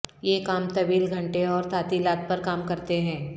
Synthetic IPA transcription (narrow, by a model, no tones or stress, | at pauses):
jekaːmt̪ɐʋiːlɡʱɐ̃ɳʈeɔːɾt̪ʰaːt̪ilaːt̪̚pɐɾkaːmkɐɾt̪eɦɛ̃ː